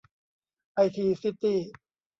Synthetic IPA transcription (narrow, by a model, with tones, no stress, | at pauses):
ʔa˧jt̪ʰiː˧si˦˥t̪iː˥˩